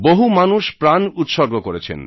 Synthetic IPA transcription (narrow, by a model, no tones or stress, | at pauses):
boɦumanuʃpɾanut̪ʃɔɾɡokoɾet͡ɕʰḛn